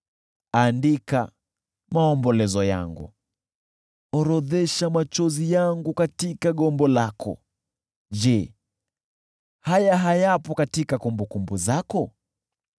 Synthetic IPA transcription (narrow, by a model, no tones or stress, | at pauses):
andika | maɔmbɔlɛzɔja̰ŋɡṵ | ɔɾɔðɛʃamat͡ʃɔzijaŋɡukatikaɠɔmbɔlakʰɔ̰ | d͡ʒɛ | hajaɦajapɔkatikakumbukumbuzakɔ